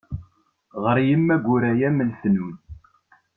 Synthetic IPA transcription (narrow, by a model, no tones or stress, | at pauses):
ʁəɾjəmːæɡʷʊɾæjæməlθnun